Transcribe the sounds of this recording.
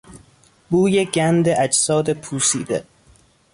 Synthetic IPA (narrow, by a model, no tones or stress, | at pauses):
buːjeɟænd̪eʔæd͡ʒsɒːd̪e̞pʰuːsiːd̪ḛ